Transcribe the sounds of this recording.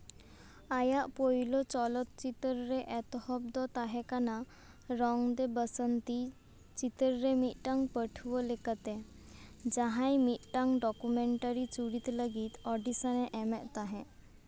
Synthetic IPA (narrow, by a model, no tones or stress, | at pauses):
ajaʔpojlɔt͡ɕɔlɔt̪t͡ɕit̪əɾɾeʔɛt̪hɔbd̪ɔt̪aɦɛkana | ɾɔŋd̪ebəsənt̪i | t͡ɕit̪əɾɾemiʈaŋɡpəʈʰʋɔlekat̪e | d͡ʑaɦajmit̪ʈaŋɡɖɔkumeɳʈaɾit͡suɽit̪ləɡiːt̪ɔɖisaneʔɛmɛʔt̪aɦɛ̃